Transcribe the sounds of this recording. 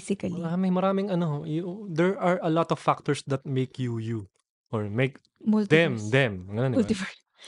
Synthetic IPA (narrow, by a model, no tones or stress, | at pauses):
sɪkɐliamɐjmɐɾaːmɪŋɐnoɦojd̪ɛɹɐɹʔɐlɔt̪ɔv̥ːak̚t̪ɔɹsd̪ɐt̪̚mejkjuju | ʔɔɹmejk | mult̪d̪ɛmd̪ɛmɐŋɡɐnonlɪfa